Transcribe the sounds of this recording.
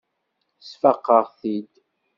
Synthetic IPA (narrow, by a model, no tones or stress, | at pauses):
sfəqːəʁθid̪